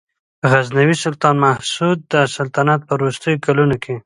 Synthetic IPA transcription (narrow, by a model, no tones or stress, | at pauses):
ɣaznawisʊlt̪ɑnmahsud̪̚ːəsalt̪anat̪̚pəɾost̪əjokalunokʰe